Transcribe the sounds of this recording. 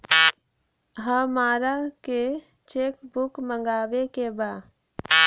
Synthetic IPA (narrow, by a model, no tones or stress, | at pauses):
ɦəmaːɾake | t͡ʃeːkbʊkmə̃ŋɡaːwekebaː